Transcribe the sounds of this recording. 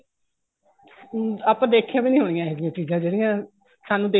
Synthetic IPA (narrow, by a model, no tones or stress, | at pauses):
aːpãːd̪eːkʰjãːʋiːnĩːɦoːɽ̃ɪjãːɛːdɪjãːt͡ʃiːzãːd͡ʒeːɽɪjãː | saːnũːd̪eː